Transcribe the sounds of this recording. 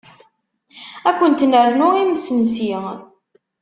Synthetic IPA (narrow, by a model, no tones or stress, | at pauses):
ækʷːənt̪nəɾnʊimsənsi